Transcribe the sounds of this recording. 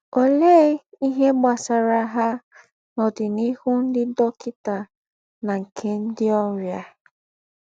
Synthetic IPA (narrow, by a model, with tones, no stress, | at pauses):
o˨le˦i˦ɦe˦ɡ͡ba˨sa˨ɾa˦ɦa˦ | nɔ˨dɪ˨ni˦hʊ˦n̩˦dɪ˦dɔ˦kɪ˦ta˨ | na˨ŋ̩˨kʰe˨˦n̩˦dɪ˦ɔ˦ɾja˨